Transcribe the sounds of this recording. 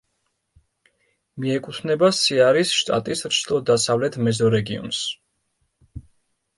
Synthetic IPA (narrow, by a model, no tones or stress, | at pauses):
miɛkʼut̪ʰnɛbasiaɾisʃt̪ʼa̰t̪ʼisɾt͡ʃʰlˠɔd̪asavlɛt̪ʰmɛzɔɾɛɡiɔ̰ns